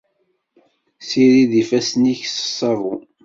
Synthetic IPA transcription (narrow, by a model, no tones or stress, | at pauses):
siɾiðifæsniçsə̥sˤːɑvṵ